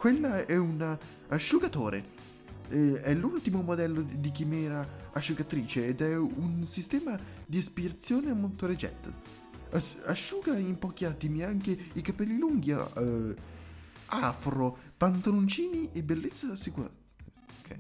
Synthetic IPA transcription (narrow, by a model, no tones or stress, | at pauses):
kwelːaɛuna | aʃːuɡat̪oːɾḛ | ɛlːult̪imomod̪ɛlːod̪ik̟imɛːɾaaʃːuɡat̪ɾiːt͡ʃeːd̪ɛunsist̪ɛːmad̪iaspiɾat̪sːjoːneamːolt̪oɾet͡ʃɛ̰t̪ː | asaʃːuːɡaimpɔːk̟iat̪ːimiaŋk̟eikapɛlːiluŋɡḭ | afɾopant̪alont͡ʃiːniʔebelːet̪sːasːikuɾa̰ | kʰːɛ